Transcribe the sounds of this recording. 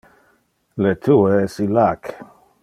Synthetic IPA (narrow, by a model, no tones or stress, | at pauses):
let̪ʰueɛsilak